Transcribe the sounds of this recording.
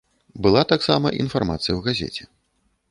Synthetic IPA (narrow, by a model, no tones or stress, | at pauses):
bɨlˠat̪aksamɐ̰ʔḭn̪farma̰t̪sɨjɐwɣazʲɛ̰t͡sʲɛ